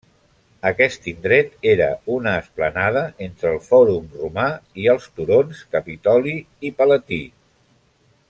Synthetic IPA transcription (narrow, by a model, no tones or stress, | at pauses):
əkɛst̪ind̪ɾɛt̪eɾə̰unəːsplənað̞əent̪ɾəːlˠfɔɾumrumaiəlˠst̪uɾonskəpit̪ɔliː | pələt̪i